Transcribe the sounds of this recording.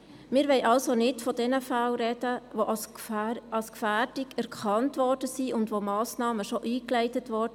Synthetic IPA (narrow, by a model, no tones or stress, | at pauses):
mɪːɾʋɛɪʔɑlsonɪtfɔdɛnəfælɾɛd̥əʋoʔ | ɑlskfæːrd̥ɪɡɛɾkχʰɑntʋɔrd̥əsiʊndʋomɑːsnɑːməʃoʔiːklɛɪtətʋɔdə